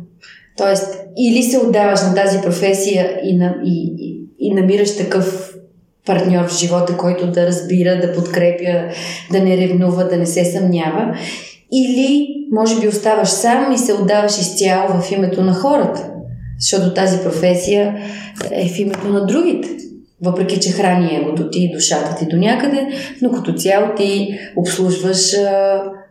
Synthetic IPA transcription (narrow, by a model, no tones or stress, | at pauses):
t̪ɔɛst̪ilisɛod̪ːavəʃnɐt̪azipɾofɛsijəinɐiː | nɐmiɾəʃt̪ɐkɤf | pɐɾt̪nʲɔɾvʒivɔt̪əkɔjt̪ʊd̪ɐɾɐzbiɾəd̪ɐpot̪kɾɛpjəd̪ɐnɛɾɛvnuvəd̪ɐnɛsɛsɐmnʲavə | ilimɔʒɛbiost̪avəʃsamisɛod̪ːavɐʃist̪ʲjalˠvəfimɛt̪onɐxɔɾət̪ə̥zəʃt̪ɔt̪ot̪azipɾofɛsijə | ɛ̰fimɛt̪onɐd̪ɾuɡ̟it̪ɛ̥ | vɤpɾɛk̟it͡ʃɛxɾaniɛɡot̪ot̪id̪oʃat̪ət̪id̪onʲakəd̪ɛnokɐt̪ot̪sʲjalˠot̪iopslˠuʒvəʃ